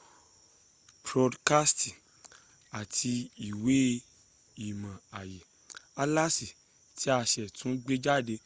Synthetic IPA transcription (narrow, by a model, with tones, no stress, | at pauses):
bɾɔ˧dka˦sti˨ | a˨tʰi˧i˨we˦ | i˨mã˨a˨je˨ | a˧la˦si˨ | ti˦a˧ʃɛ˨tʰũ˦ɡ͡be˦d͡ʒa˦de˧